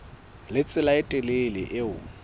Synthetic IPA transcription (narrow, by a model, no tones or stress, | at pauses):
lɪt͡sʼɪlaɪtʼɪlelɪ̰ʔɪʊ̰